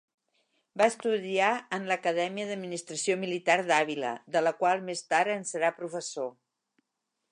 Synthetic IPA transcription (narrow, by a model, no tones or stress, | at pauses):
baəst̪uðiaənləkəðɛmiəðəd̪̚minist̪ɾəsiomilit̪aɾðaβilə̰ðələkwalˠmest̪aɾənsəɾapɾufəso